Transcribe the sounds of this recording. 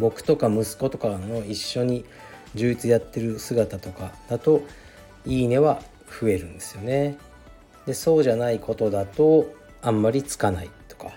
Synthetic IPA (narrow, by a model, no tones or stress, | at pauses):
bo̞kɯ̟̥t̪o̞kamɯ̟sɨ̥ko̞t̪o̞kano̞iɕːo̞ɲ̟i | d͡ʑɨːit͡sɨjat̪ːe̞ɾɯ̟sɨɡat̪at̪o̞kad̪̥at̪o̞ | iːne̞βa | ɸɯ̟e̞ɾɯ̟̃nd̪e̞sɨjo̞ne̞ | d̪e̞so̞ːʑanaiko̞t̪o̞d̪at̪o̞ | ãmːaɾʲit͡sɨ̥kanait̪o̞̥ka